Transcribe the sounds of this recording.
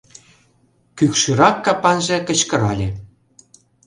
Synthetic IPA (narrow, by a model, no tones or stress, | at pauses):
kykʃyɾɑkːɑpɑnʒĕkə̆t͡ɕkə̆ɾɑlʲe